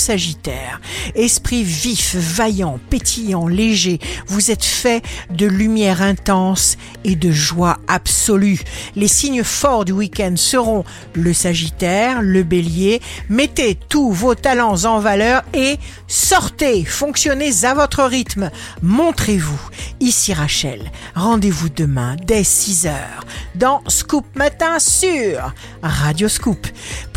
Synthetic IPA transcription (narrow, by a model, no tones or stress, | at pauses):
saʒit̪ɛːʁɛspχivifvajɑ̃pet̪ʰijɑ̃leʒevuzɛt̪fɛd̪əlymjɛʁɛ̃t̪ɑ̃s | ed̪əʒwaabsɔlylesiɲfɔʁd̪ywikʲɛ̃nd̪səʁɔ̃ | ləsaʒit̪ɛʁləbeljemɛt̪et̪uvot̪alɑ̃zɑ̃valœʁe | sɔʁt̪efɔ̃ksjɔnezavɔt̪χəʁit̪m | mɔ̃t̪χevuisiʁaʃɛ̰lʁɑ̃d̪evud̪əmɛ̰̃d̪ɛsizœ̰ːʁd̪ɑ̃skup̚mat̪ɛ̃syʁː | ad̪joskup